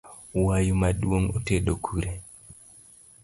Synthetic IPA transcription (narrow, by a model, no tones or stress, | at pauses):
wajumaɗwoŋoteɗokʰuɾe